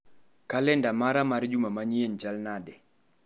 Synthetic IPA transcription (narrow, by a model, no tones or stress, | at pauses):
kalɛndamaɾamaɾd͡ʒumamaɲient͡ʃalnadɪ